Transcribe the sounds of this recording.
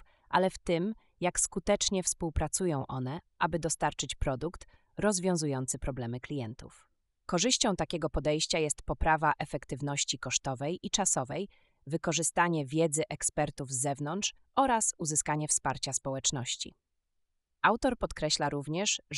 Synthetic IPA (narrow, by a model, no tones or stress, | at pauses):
ʔa̰lɛft̪ɘm | jakskut̪ɛt͡ʂɲɛfspuwpɾat̪sujɔ̃w̃ʔɔn̪ɛʔabɘd̪ɔst̪aɾt͡ʂɘt͡ɕpɾɔd̪ukt̪ | ɾɔzvʲjɔ̃w̃zujɔnt̪sɘpɾɔblɛmɘklʲijɛnt̪ṵf | kɔʐɘɕt͡ɕɔ̃w̃t̪akʲɛɡɔpɔd̪ɛjɕt͡ɕajɛst̪pɔpɾavaʔɛfɛkt̪ɘvnɔɕt͡ɕikɔʂt̪ɔvɛjʔit͡ʂasɔvɛj | vɘkɔʐɘst̪aɲɛvʲjɛd̪zɘʔɛkspɛɾt̪uvzːɛvnɔntʂ | ʔɔɾasuzɘskaɲɛfspaɾt͡ɕaspɔwɛt͡ʂnɔɕt͡ɕḭ | awt̪ɔɾpɔt̪kɾɛɕlaɾuvɲɛʂ